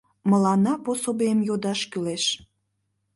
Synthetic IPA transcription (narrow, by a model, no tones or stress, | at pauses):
məlɑnɑposobemjod̪ɑʃkyleʃ